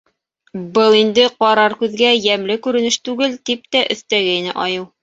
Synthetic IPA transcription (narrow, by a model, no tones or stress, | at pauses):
bɤlˠind̪ɘqɑɾɑɾkʉðɡæjæmlɘkʉɾɘ̆nɘʃt̪ʉɡɘlt̪ip̚t̪æʔɵ̰̆θt̪æɡæinɘ̰ʔɒjɤw